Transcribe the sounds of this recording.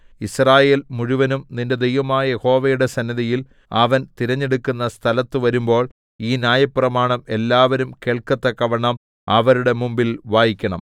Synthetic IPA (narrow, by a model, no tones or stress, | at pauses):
israːje̞ːlmuɻuʋɐnumninde̞d̪ejʋɐmaːjɐjeho̞ːʋɐjuɽe̞sɐnːɐðɐjil | ɐʋɐnt̪iɾɐɲːe̞ɽukːunːɐst̪ʰɐlɐt̪ːɨʋɐɾumbo̞ːɭ | iːnjaːjɐpːrɐmaːɳɐme̞lːaːʋɐɾumkeːɭkɐt̪ːɐkːɐʋɐɳɐm | ɐʋɐɾuɽe̞mumbilʋaːjikʲːɐɳɐ̰m